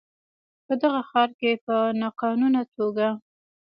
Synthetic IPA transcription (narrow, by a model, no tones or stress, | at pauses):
pəd̪aɣaxɑɾkepənɑqɑnunat̪ʰoɡa